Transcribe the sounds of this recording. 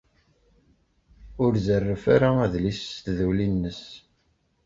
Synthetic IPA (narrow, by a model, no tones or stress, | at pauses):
ʊɾzərːəfaɾaæðlist̪ðulinːəs